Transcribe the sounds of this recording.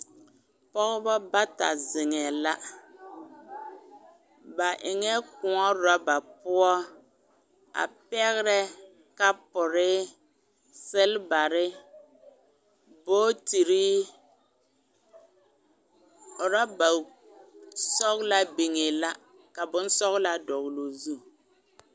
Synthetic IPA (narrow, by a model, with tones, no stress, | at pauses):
pɔ˦ɣbɔ˦ba˦ta̰˨zɪ˨ŋɛ˨la˦ | ba˨ʔɪ˨ŋɛ˦kʊ˨ɔ˦ɾa˦ba˨pʊ˦ɔ˦ | a̰˨pɛ˦ɣɾɛ˦ | ka˦pʊ˨ɾɪ˦ | sɪ˦lba˨ɾɪ˦ | boː˦ti˨ɾi˦˨ | ɾa˦ba˨ | sɔ˦ɣla˦bi˨ŋe˨la˦ | ka˨bʊ˦n˦sɔ˦ɣla˦dɔ˨ɣlo˨zu˦˨